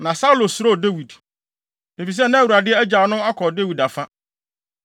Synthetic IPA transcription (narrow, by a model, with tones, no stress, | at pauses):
nã˨sa˦u˦lo˨sʊ˨ɾo˦˨de˦wi˨d | e˨fi˨s̬ɛ˦nã˦wu˨ɾa˨dɪ˦ɛ˦æ˦d͡ʑa˨˦nʊ̃˦a˦kʰɔ˨de˦wi˨da˨fã˦